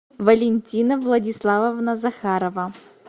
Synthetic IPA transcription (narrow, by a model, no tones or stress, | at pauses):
vɐlʲɪnʲtʲinəvlˠɐdʲislˠavəvnɐzɐxaɾəvə